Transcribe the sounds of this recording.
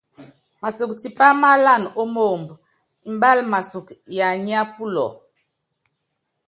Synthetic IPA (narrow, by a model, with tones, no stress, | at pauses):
ma˨su˨kti˨pa˦ma˦la˦˨no˦mo˦˨mb | i˨m̩˦ba˦lma˨su˨kja˨ɲ˦a˦pu˦lɔ̰˨